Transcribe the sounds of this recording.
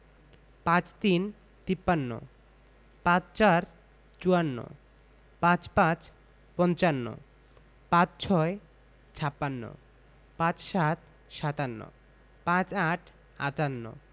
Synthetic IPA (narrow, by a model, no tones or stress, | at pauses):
pãt͡ɕt̪in | t̪ipːanːo̰ | pãt͡ɕt͡ɕaɾ | t͡ɕuanːo̰ | pãt͡ɕpãt͡ɕ | pɔnt͡ɕanːo̰ | pãt͡ɕt͡ɕʰɔe | t͡ɕʰapːanːo̰ | pãt͡ɕʃat̪̚ | ʃat̪anːo̰ | pãt͡ɕaʈʰ | a̰tanːo̰